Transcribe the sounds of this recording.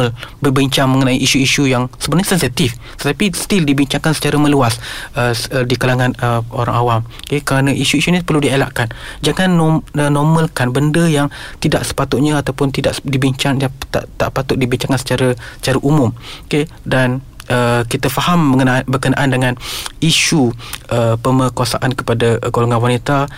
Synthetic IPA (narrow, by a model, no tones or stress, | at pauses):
lbərbiɲt͡ʃaŋməŋənãiʔiʃuiʃujaŋsəbənaɲəsɛnsit̪if | t̪ət̪apist̪ildibiɲt͡ʃaŋkansə̥t͡ʃaɾəmə̃luasədikalaŋanəoɾa̰ŋawamokekəɾanəʔiʃuiʃunipərludiela̰ʔkand͡ʒaŋanːənɔmə̃lkanbəndəjaŋt̪idaʔsə̥pat̪ʊt̪̚ɲaat̪awpʊnt̪idaʔdibiɲt͡ʃaŋjat̪a̰ʔt̪a̰ʔpat̪ʊt̪̚dibiɲt͡ʃaŋkansə̥t͡ʃaɾasət͡ʃaɾaʔumʊmke | dan | ʔəkit̪afahamːəŋəbəkəna̰ʔandəŋaniʃuʔəpəməkuasa̰ʔankə̥padaɡoloŋanwanit̪a